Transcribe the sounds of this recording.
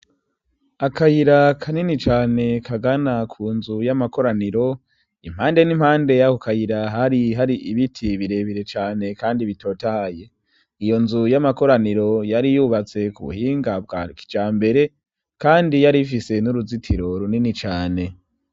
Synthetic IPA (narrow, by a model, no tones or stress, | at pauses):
akajiɾakʰaninit͡ʃaːne̞kʰaɡanakʰuːnzujamako̞ɾaniɾo̞ | ḭm̥haːnde̞nimhaːnde̞jakokajiɾaɦaɾiɦaɾiʔiβitʰiβiɾe̞βiɾe̞t͡ʃaːne̞kaːndiβito̞ːtahje̞ | ijo̞nzujamako̞ɾaniɾo̞jaɾijuːβat͡se̞kṵβṵhiːŋɡab̚ɡki̥d͡ʒaːmbe̞ɾe̞ | kaːndijaɾifise̞nuɾuzitʰiɾo̞ɾuninit͡ʃaːne̞